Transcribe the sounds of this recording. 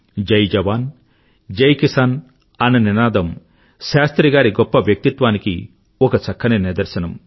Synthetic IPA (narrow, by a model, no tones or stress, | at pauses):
d͡ʒɐjd͡ʒɐʋaːn | d͡ʒɐjkisaːn | ɐnɐninaːd̪ɐm | ʃaːst̪ɾiɡaːɾiɡɔpːɐʋjɐk̚t̪it̪ʋaːniki | ɔkɐt͡ʃɐkʰːɐniniɾd̪ɐɾsɐnɐm